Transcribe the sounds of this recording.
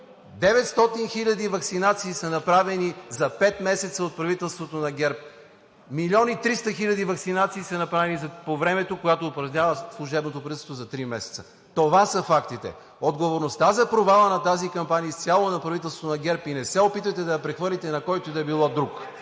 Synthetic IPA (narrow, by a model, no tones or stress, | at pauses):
d̪ɛvɛt̪st̪ɔt̪inxiʎʲɐd̪ivɐksinat̪siːsɐnɐpɾavɛnizɐpɛt̪mɛsɛt̪səot̪̚pɾɐvit̪ɛlˠst̪vot̪onɐɡʲɛɾp̚ | milʲɔnit̪ɾist̪əxilʲɐd̪ivɐksinat̪siːsɐnɐpɾavɛnizɐpovɾɛmɛt̪okojat̪oːpɾɐvnʲavəslˠʊʒɛbnot̪opɾɐiɛst̪vozɐt̪ɾimɛsɛ̥t̪sə̥ | t̪ovasəfakt̪it̪ɛ̰ | od̪ɡovoɾnost̪azɐpɾovalˠənɐt̪azikɐmpaniəst̪ʲjalˠonɐpɾɐvit̪ɛlˠsvo̥t̪onɐɡʲɛɾpinɛsɛopit̪vəjt̪ɛd̪ɐjɐpɾɛxvɤɾlʲit̪ɛnɐkɔjt̪od̪ɐɛbilˠɔd̪ɾuk